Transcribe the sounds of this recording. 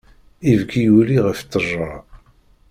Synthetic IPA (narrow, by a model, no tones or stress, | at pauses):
ivɡijuliʁəft͡s̪ːərˤːɑ